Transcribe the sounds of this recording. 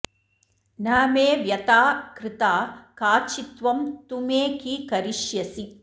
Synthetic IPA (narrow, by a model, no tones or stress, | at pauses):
naːmeːʋjɐt̪aːkɾɪt̪aːkaːt͡ʃit̪ʋɐmt̪umeːkikɐɾiʃjɐsi